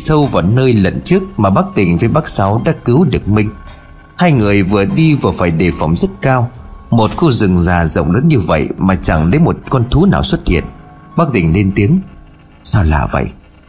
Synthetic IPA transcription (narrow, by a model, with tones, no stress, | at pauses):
sə˧wvaː˨˩nəː˧jlə̰˧˨nt͡ɕɨ˦˥ək̚maː˨˩ɓaː˦˥k̚t̪ï˨˩ŋ̟və˨˦jɓaː˦˥k̚sa˨˦wɗa̰ː˧˥kɨ˨˦wɗɨ˨˩ək̚mï˧ŋ̟ | haː˧jŋɨ˨˩əjvɨ˨˩əɗi˧vɨ˨˩əfaː˧˩jɗe˨˩fa˨˧˩wŋ͡mzə˦˥t̚kaː˧wmo˨˩t̚xo˧zɨ˨˩ŋzaː˨˩zə̰˧˨wŋ͡mləː˨˦nɲɨ˧və̰˧˨jmaː˨˩t͡ɕa˧˩ŋle˨˦jmo˨˩t̚kɔ˧nt̪ʰu˨˦naː˨˩wswə˦˥t̚hḭ˧˨ən | ɓaː˦˥k̚t̪ï˨˩ŋ̟le˧nt̪i˨˦əŋ | saː˧wla̰ː˨˩və̰˧˨jʔ